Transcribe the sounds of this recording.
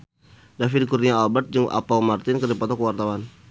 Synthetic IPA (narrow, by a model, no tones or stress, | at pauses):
dafidkurniaalbat̪̚d͡ʒɨŋʔa̰pamart̪ɪnkərdipat̪ɔkəwart̪awan